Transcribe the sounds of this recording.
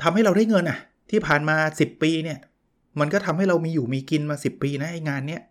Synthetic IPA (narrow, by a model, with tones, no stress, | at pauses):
t̪ʰa˧mha˥˩jɾa˧wdaː˥˩jŋɤ˧nʔa˨˩ʔ | t̪ʰiː˥˩pʰaː˨˩nmaː˧si˨˩pːiː˧ni˥˩ɐ | ma˧nkɔ˥˩t̪ʰa˧mha˥˩jɾa˧wmiː˧juː˨˩miː˧ki˧nmaː˧si˨˩pːiː˧na˦˥ʔa˧jŋaː˧nːi˦˥˩ɐ